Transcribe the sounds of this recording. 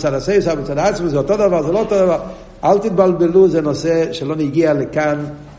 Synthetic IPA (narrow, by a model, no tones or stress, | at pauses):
t͡sadaseɪvsabɪt͡sadaat͡sməzɛɔtodavaʁzɛloːtodavaɾ | alt̪it̚balbeluzɛnoseʃeloniɡialekan